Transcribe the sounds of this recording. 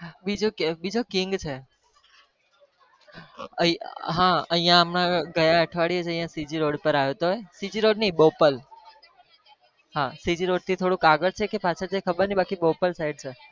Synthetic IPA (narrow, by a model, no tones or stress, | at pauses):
bid͡ʒokbid͡ʒokiŋɡt͡ʃʰe | əɦãəɦjãːmnãɡəjaəʈʰʋaɽied͡ʒə̃ɦjãsid͡ʒiɾoɽpəɾajot̪oɦesid͡ʒiɾoɖnibopəl | ɦãsid͡ʒiɾoɖ̚t̪ʰit̪ʰoɽũkaɡəɾt͡ʃʰekepat͡ʃʰəd͡ʒekʰəbəɾnibakibopəlsaiɖ̚t͡ʃʰe